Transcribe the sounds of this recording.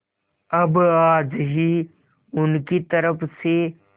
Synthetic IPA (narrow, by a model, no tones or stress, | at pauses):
ɐbaːd͡ʑɦi | ʊnkit̪ɐɾəfʰse